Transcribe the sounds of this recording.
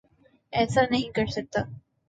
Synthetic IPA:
ɛːsanɐɦĩkɐɾsɐk̚t̪aː

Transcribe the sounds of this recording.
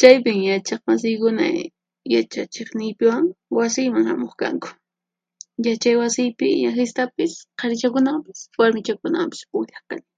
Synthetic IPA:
t͡ʃajp̬ɪŋjat͡ʃɑχmasɪjkʊna̰ | jat͡ʃat͡ʃeχnɪjpɪwaŋwasɪjmaŋhamoχka̰ŋkʊ̥ | jat͡ʃajwasɪjpɪɲaxɪst̪apɪsqʰɑɾɪt͡ʃakʊnampḁswaɾmɪt͡ʃakʊna̰mpɪ̥spʊʎaχkanɪ

